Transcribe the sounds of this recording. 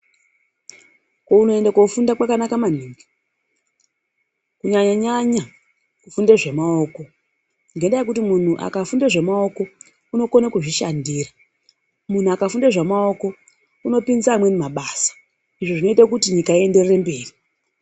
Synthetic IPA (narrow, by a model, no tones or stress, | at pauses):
kouno̞e̞ndakofundakwakanakaman̤iːŋɡi | kuɲaɲaɲaɲa | kufundeʐe̞mao̞ːko̞ | ŋɡe̞ndajekutimun̤uʔa̰kafundeʐe̞mao̞ko̞ | uno̞konakuʐiʃandiːra | mun̤uakafundeʐemao̞ko̞ | uno̞pinzaːmwe̞nemaɓaːsḁ | iʐo̞ʐino̞itakutiɲikaie̞nderre̞mbe̞ːri